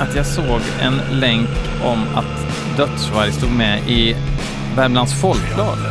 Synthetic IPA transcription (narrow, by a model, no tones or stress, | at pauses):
at̪jɑːsoːɡ | ɛ̰nlɛŋk | ɔma̰t̪ | d̪œt̪svaɾjst̪uːɡmɛʔɪ | væɾmlansfɔlklɑːɡ